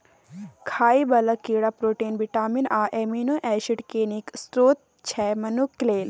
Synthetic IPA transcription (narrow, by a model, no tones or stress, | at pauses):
kʰaːibɐlɐkiːɽapɾoːʈeːnbiʈaːminaːʔeːmiːnoʔɛːʃiʈkeːniksʈɾoːt̪̚ | t͡ʃʰɛːmɐnukleːl